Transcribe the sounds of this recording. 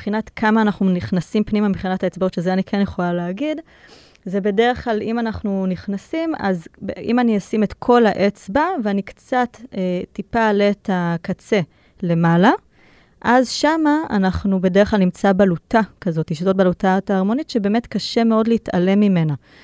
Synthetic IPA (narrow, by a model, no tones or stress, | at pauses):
b̥χinatkʰamaːnaχnuniχnasimpnimamiχinataet͡sbotʃezeanikʰenjeχo̞laleaɡid | zebe̞deʁeχklalimanaχnuniχnasimazbʔḭmaniasime̞tkʰo̞laʔe̞t͡sbaveanikt͡satetːipaletʰakat͡se̞ | le̞mala | ʔazʃama̰ːnaχnube̞deʁeχlalnimt͡sabalutakazo̞tiʃito̞t̚balutataːʁmo̞nitʃebe̞ːme̞tkaʃe̞meodleita̰le̞mːime̞na